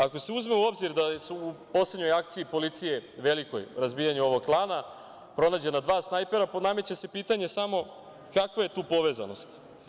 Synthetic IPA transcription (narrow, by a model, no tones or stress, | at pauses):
ako̞se̞uzme̞uo̞bziɾd̪asuupo̞sle̞d̪ɲo̞jak̚t̪siipo̞lit̪sije̞ʋe̞liko̞̰jɾazbijaɲuo̞ʋo̞ɡplˠaːna | pɾo̞naːd͡ʑe̞nad̪ʋaːsnajpe̞ɾaname̞t͡ɕase̞piːt̪aɲe̞samo̞ | kakʋaje̞t̪uːpo̞ʋe̞ːza̰no̞st̪